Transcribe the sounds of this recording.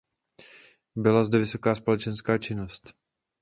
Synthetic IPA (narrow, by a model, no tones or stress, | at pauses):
bɪlazdɛvɪso̞kaːspo̞lɛt͡ʃɛnskaːt͡ʃɪno̞st̪